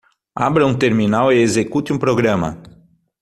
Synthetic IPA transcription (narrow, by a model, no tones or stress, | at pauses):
a̰bɾɐũt̪eɾminaweezekut̪ɪũpɾoɡɾɐ̃mɐ̰